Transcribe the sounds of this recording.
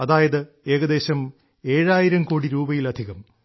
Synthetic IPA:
ɐðaːjɐðɨ | e̞ːɣɐd̪e̞ːɕɐm | e̞ːɻaːjiɾɐmkoːɽiɾuːbɐjilɐd̪ʱiɣɐm

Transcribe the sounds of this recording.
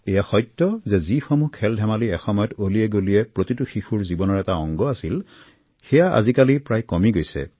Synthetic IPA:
ɛjaxɔjtːɔzɛzixomukʰːɛldʱɛmaliɛxɔmɔjɔtoliɛɡoliɛpɹotituxixuɹzibɔnɔɹɛtaɔŋɡɔasil | xɛjaa̰zikalipɹajkɔmiɡojsɛ̰

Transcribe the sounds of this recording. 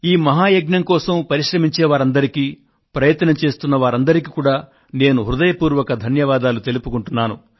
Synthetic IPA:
iːmɐɦaːjɐɡnɐŋkɔːsɐmpɐɾiʃɾɐmiɲt͡ʃeːʋaːɾɐnd̪ɐɾikiː | pɾɐjɐt̪ːɐnɐmt͡ʃe̞ːst̪unːɐʋaːɾɐnd̪ɐɾikikuːɽaː | ne̞ːnuɦɾud̪ɐjɐpuːɾʋɐkɐd̪ʱɐnjɐʋaːd̪aːlut̪e̞lupukuɳʈunːaːnṵ

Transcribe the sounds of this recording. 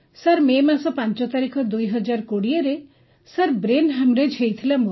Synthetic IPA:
saɾmemasɔpãnt͡ʃɔt̪aɾikʰɔd̪ujɦɔd͡ʒaɾkoɽieɾe | saɾbɾenɦamɾed͡ʒʰʱejt̪ʰilamu

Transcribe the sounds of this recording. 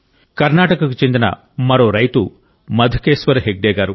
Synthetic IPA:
kɐɾnaːʈɐkɐkut͡ʃe̞nd̪inɐ̰ | mɐɾo̞ːɾɐjt̪u | mɐd̪ʱukeːʃʋɐɾɦeɡ̚ɖeːɡaːɾu

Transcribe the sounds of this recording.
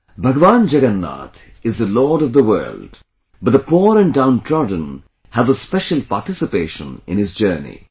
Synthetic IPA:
bʱəɡəʋãːnd͡ʒəɡənːa̰t̪ | ɨzðəlɔːɾʌvðəwɜ̰ːld | bʌt̚ðəpɔːɾɨ̃ndãʊ̃ntʰɹɔdⁿə̃n̩ | hævəspɛʃəlˠpaʈɪsɨpeɪʃə̰̃nɪ̰̃nɨzd͡ʒɜ˞nḭ

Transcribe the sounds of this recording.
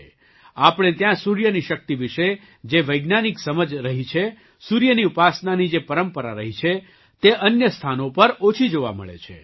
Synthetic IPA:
apəɽ̃et̪jãsuɾjəniʃək̚t̪iʋiʃe | d͡ʒeʋəjɡnaniksəməd͡ʒɾəɦit͡ʃʰe | suɾjəniupasnanid͡ʒepəɾəmpəɾa̰ɾəɦit͡ʃʰe | t̪eʔənjəst̪ʰanopəɾot͡ʃʰid͡ʒoʋa̰mə̰ɭḛt͡ʃʰḛ

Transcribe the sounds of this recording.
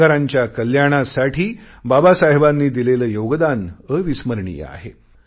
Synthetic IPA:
aɾaɲt͡ɕjakəljaɽ̃asaʈʰiː | babasaɦbanːiːd̪ileləːjoɡd̪anəʋisməɾɳḭj̰a̰ɦe

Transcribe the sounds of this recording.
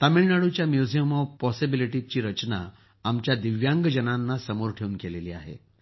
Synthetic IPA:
t̪amiɭnaɽut͡ɕjamjud͡zijəmɔʋpɔsibiliʈit͡ɕiːɾət͡ɕna | amt͡ɕjad̪iʋjãŋɡəd͡ʑənanːasəmoɾʈʰeuːnkeleliːa̰ɦḛ

